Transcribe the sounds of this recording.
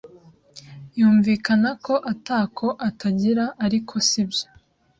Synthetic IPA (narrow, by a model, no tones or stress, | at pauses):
juːɱviːkanako̞ʔataːkʰo̞ʔatʰaɟiɾaʔaɾikʰo̞sibjo̥